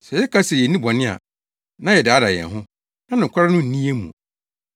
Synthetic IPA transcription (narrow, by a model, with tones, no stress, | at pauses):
sɛ˨jɛ˦kʰa˦sɛ˨jɛ˨nĩ˦bɔ˨nɪ̃˦a̰˨ | nã˦jɛ˨dɪ˨a˦da˨jɛ̰˨ɦʊ̃˦ | nã˦nʊ̃˨ŋ˨kʰa˦ɾa˦nʊ̃˦n̩˨nĩ˦e˦mṵ̃˨